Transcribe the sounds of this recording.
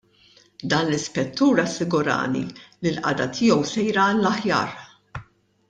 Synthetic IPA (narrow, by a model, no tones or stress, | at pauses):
d̪ɐːnlɪspɛt̪ːuːɾɐsːɪɡʊɾɐ̰ːnḭlilʔɐ̰d̪ɐt̪ʰɪːɔwsɛjɾɐllɐħjɐ̰ːɾ